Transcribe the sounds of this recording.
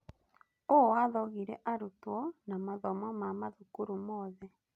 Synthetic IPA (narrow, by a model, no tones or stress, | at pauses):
owaðɔɣiɾɛʔaɾutwɔnamaðɔmɔmamaðukuɾomɔðɛ